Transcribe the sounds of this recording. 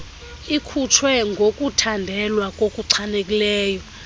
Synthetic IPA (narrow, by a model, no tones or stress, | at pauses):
ikʰutʰwɛŋɡʱokʼutʰandʱɛlwakʼokʼuǀʰanekʼilɛːjɔ